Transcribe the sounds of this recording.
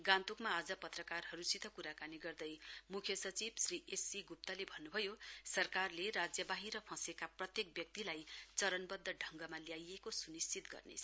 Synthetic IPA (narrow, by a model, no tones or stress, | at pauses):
ɡãnt̪ukmaːd͡zʌpʌt̪rʌkarɦʌɾusit̪ʰʌkuɾakaniɡʌrd̪ʌjmukʰjʌsʌt͡sibsriʔesːiɡup̚t̪ʌlebʱʌnːubʱʌjosʌrkarlerad͡zjʌbaɦiɾʌpʰʌ̃sekaprʌt̪jek̚bjʌk̚t̪ilajt͡sʌɾʌnbʌd̪ʱːʌɖʱʌŋɡʌmaljajekosunist͡sit̪ɡʌ̰rnḛt͡sʰʌ